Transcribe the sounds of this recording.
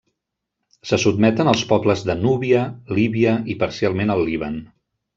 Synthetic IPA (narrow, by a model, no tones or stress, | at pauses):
səsud̪̚mɛt̪ənəlˠspɔbləzðənuβiəliβiəipəɾsialˠmenəlˠːiβ̞ən